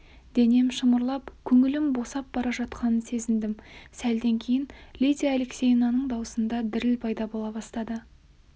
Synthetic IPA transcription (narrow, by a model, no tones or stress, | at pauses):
d̪e̞ne̞mʃəməɾlˠɑpkʲʰɵŋɪlɪmbo̞sɑp̚b̥ɑɾɑʒɑt̪qʰɑnənse̞zɪnd̪ɪmsæld̪e̞ŋkʲʰe̞jɪnlʲid̪ʲiːleksʲejnɑnəɴd̪ɑwəsənd̪ɑd̪ɪɾɪlpʰɑjd̪ɑbolˠɑbɑst̪ɑd̪ə